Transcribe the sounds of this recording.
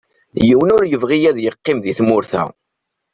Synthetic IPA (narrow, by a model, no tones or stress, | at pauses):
jiwənʊɾjəvʁijæðjəqːɪmðiθmʊɾθæ̰